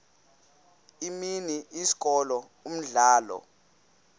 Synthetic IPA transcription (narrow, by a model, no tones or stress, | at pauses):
iminiʔisi̥kʼɔlɔ | um̩ɮaːlɔ̰